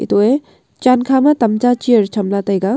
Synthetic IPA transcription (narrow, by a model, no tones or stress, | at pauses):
ḭt̪ue | t͡ʃankʰamat̪ɐmt͡ʃat͡ʃiəɾt͡ʃʰɐmlat̪ɐjɡa